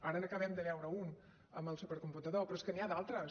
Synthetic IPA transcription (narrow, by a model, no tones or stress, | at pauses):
aɾənokəβɛmd̪əβɛwɾəun | əməlˠsupəɾkumput̪əðopɾɔeskəniaðalˠt̪ɾə